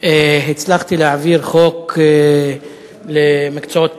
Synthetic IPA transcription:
eɦit͡slaχt̪ileaviʁχoke | lemikt͡soot̪

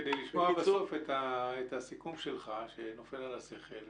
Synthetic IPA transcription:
d̪ejliʃmoabesofet̪aet̪asikumʃelχaʃeno̞fe̞lalase̞χel

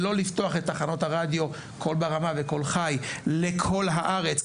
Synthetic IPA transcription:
lo̞lift̪oaχet̪ːaχano̞thaʁad̪jo̞ | kʰo̞lbaʁamaveko̞lχajlekʰo̞lɦaʔaʁet͡s

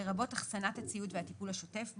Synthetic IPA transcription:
eʁabo̞taχsanathat͡sijutveat̪ipulhaʃo̞te̞fb

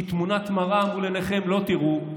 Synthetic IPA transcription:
t̪munat̪maʁaːmʁuleneχe̞mlo̞t̪iʁu

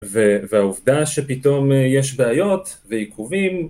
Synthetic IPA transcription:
veveauvd̪aʃepit̪o̞mjeʃbeajo̞t̪vejikʰuvim

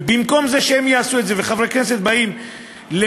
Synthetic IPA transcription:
bimko̞mze̞ʃeemjaːsuet̪zeveχavʁeknese̞t̪̚baim | le

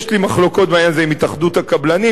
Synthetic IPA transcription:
ʃlimaχlo̞ko̞t̪̚bajanzeimitaχd̪ut̪hakablani

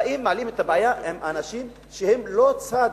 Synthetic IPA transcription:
ʔimːaalimet̪abajahemʔanaʃim | ʃehemlo̞t͡sa

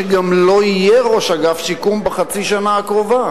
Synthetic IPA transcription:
eɡamlo̞ijeʁo̞ʃaɡafʃikumbeχat͡siʃanaːkʁova

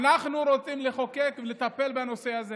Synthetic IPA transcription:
naχnuɾo̞t͡simleχoke̞kvele̞t̪ape̞lbano̞se̞aze

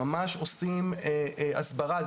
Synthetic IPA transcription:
amaʃosimeʔa̰sbaʁaz

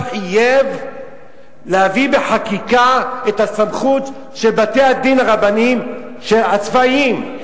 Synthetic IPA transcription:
ħijev | leavibe̞ħakikaethasamχut̪ | ʃelbatejad̪inaʁabanim | ʃeat͡svaim

